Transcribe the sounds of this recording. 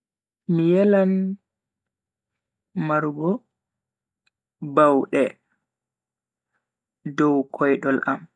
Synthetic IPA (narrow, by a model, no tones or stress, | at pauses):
mijɛlan | maɾɡɔ | bawɗɛ | dɔwkʰɔjɗɔlʔa̰m